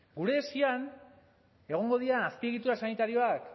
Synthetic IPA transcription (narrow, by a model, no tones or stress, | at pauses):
ɡuɾe̞ːsian | e̞ɣ̞o̞ŋɡo̞ð̞ianaspieɣit̪uasanit̪aɾio̞ak